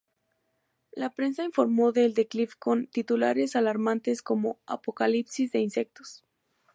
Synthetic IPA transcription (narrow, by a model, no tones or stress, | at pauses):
lapɾe̞nsainfo̞ɾmo̞ðe̞ːld̪e̞klifko̞nt̪it̪ula̰ɾe̞salaɾmãnt̪e̞sko̞mo̞a̰po̞kalipsizðe̞inse̞k̚t̪o̥s